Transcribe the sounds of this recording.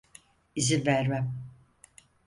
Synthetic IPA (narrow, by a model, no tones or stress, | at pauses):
izinvæɾmæm